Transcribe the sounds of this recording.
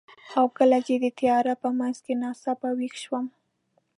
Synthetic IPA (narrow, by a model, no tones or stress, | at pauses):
awkəlad͡ʒed̪ət̪ijɑɾapəmanzkenɑsapawixʃwəm